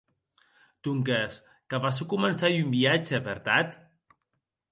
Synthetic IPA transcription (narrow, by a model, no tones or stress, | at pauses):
t̪uŋkes | kaβasukumənsajumbiat͡ʃepeɾt̪at̪